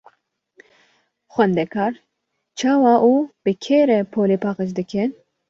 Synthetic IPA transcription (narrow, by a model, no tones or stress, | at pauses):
xʷɛnd̪ɛkʰɑːɾ | t͡ʃʰɑːwɑːʔuːb̥ɨkʰeːɾɛpʰoːleːpʰɑːqət͡ʃd̪ɨkʰɨn